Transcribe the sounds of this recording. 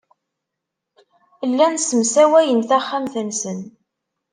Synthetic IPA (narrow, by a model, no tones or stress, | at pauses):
lːænsəmsæwæjənθæχːamθənsən